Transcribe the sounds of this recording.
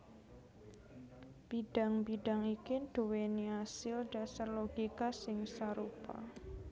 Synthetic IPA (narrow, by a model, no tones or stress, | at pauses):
b̥iɖ̥a̤ŋbiɖ̥aŋikid̥uweniasɪlɖ̥asarloɡ̥ikasɪŋsaɾupa̰